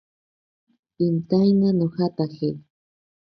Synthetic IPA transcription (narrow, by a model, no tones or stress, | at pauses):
ɪnt̪ajnanoxat̪axel